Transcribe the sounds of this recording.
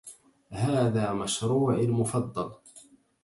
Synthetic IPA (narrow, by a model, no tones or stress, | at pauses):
haːðaːmaʃɾuːʕalmʊfɑd̪ˤːɑl